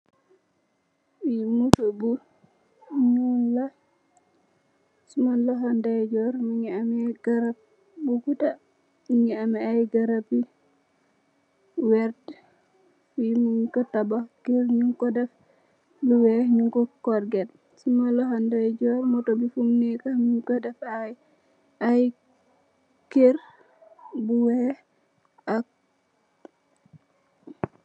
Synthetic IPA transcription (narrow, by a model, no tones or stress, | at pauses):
jimutɔbu | ɲunla | sumanlɔɦandad͡ʒɔɾmuɲɛamɛɡaɾap̚ | buɡuta | miɲɛamɛajɡaɾapi | wɛɾt | ijimuɲkɔtabakiɾɲuŋkɔdɛf | buwɛɲuŋkɔkɔɾɡɛt | sumalɔɦandad͡ʒɔɾmɔtɔbifumnɛkaɲuŋkɔdɛfaj | aj | keɾ | buwɛ | ak̚